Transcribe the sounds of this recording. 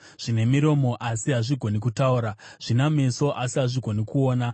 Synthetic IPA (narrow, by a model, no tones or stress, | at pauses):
ʐ̥ine̞miɾo̞mo̞ʔasiɦaʐiɡʱo̞nikutauɾa | ʐ̥inameso̞ʔasiɦaʐiɡʱo̞nikuo̞ːna